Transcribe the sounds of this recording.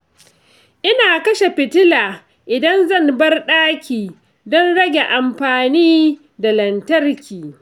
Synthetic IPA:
ʔɪ˦naː˨kɐ˦ʃe˨ɸɪ˨tɪ˦laː˨ | ʔɪ˨dɐ˦nzɐ˦˨nbɐ˦rɗaː˦kʲiː˨ | dɔ˦nɽɐ˦ɡʲe˨ʔa˨mɸaː˨niː˦ | da˨lɐ˨ntɐ˦rkʲiː˨

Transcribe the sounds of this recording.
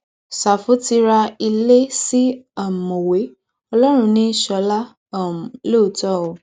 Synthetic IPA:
sa˨fu˨˦ti˧ɾa˧i˧le˦si˦a˦˨mo˨we˨˦ | ɔ˧lɔ˦ɾ̃ũ˧nĩ˦ʃɔ˧˦la˦ | ɔ˦˨m˨lo˦˨tɔ˦˨o˨

